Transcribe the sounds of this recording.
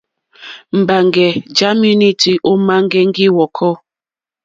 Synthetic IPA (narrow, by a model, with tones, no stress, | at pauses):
m̩˨ba˨ŋɡɛ˨d͡ʒa˦mu˦ni˦ti˨ʔo˦ma˦ŋ˦ɡɛ˦ŋ̩˦ɡi˦wɔ˨kʰɔ˦